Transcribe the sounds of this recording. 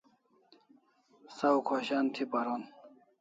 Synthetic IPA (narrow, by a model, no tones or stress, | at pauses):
sawkʰoɕant̪ʰipaɾon